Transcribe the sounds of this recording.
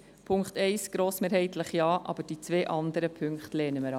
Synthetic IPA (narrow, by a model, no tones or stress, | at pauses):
pʰʊŋkχtɛɪsɡ̥ɾoːsmeːɾhɛɪtləχjɑːʔɑ̰b̥əd̥iːt͡sʋeːʔɑnd̪əɾəpʰʏŋkχtlɛːnəməɾɑ